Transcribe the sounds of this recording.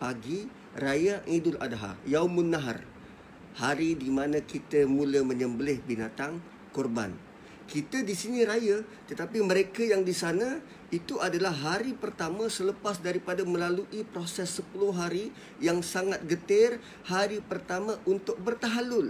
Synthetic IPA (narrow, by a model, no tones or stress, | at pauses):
paɡi | rajaʔidʊla̰daɦa̰jawmʊnːaɦr | haɾidimanãkit̪əmũləmə̃ɲəmbəlɪhbinat̪aŋ | kɔrba̰n | kit̪ədisiniɾajat̪ət̪apiməɾekajaŋdisanə̃ | it̪uʔadalahɦɦaɾipərt̪amãsələpasdaɾipadamə̃laluʔipɾosɛsːəpulʊɦaɾi | jaŋsaŋat̪̚ɡət̪ɪr | haɾipərt̪amãʔunt̪ʊk̚bərt̪aɦalʊl